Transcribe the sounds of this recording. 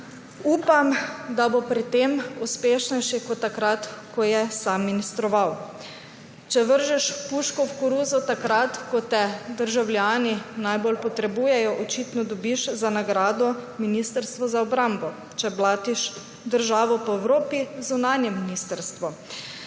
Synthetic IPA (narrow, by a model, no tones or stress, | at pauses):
uːpamd̪abopɾit̪emuspeːʃnɛjʃikɔt̪ːakɾat̪kɔjɛsamːinist̪ɾɔʋaw | t͡ʃɛʋəɾʒɛʃpuʃkɔwkuɾuːzɔt̪akɾat̪kɔt̪ɛd̪əɾʒawlʲjaːninajbolpɔt̪ɾɛbuːjɛjɔʔɔt͡ʃit̪nɔd̪ɔbiʃzanaɡɾaːd̪ɔminist̪əɾst̪ʋɔzaɔbɾambɔ | t͡ʃɛblaːt̪iʃ | d̪əɾʒaːʋɔpɔɛwɾoːpizunaːnjɛminist̪əɾst̪ʋɔ